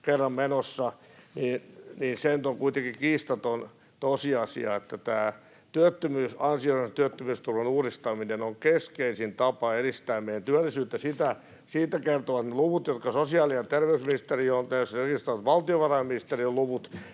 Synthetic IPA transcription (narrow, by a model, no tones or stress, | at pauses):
kerːɑmmenosːɑniːnniːnsenyt̪oŋkuit̪eŋkikiːst̪ɑt̪on | t̪osiɑsḭɑ̰et̪ːæt̪æː | t̪yøt̪ːømyːsɑnsioiset̪yøt̪ːømyːst̪urʋenuːrist̪ɑminenoŋkeskeisint̪ɑpɑerist̪æːmmeijænt̪yælːisyːt̪ːæsit̪æ | siːt̪ːækert̪oʋɑt̪neluʋut̪jot̪kɑsosiɑːliɑt̪erʋeysminist̪eriont̪ɑjosekist̪ɑʋɑt̪ʋɑlt̪ioʋɑrɑjminist̪erioluʋut̪